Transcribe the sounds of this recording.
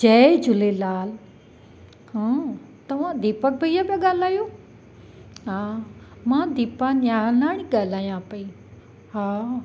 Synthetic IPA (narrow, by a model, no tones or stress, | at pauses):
d͡ʒɐːd͡ʑʱʊlelaːl | ɦã | t̪ɐʋãd̪iːpək̚bɐijabaɠaːlaːjoː | ɦaːmãːd̪iːpãnaːlaːɽ̃ĩɡaːlaːjãpɐiː | ɦaː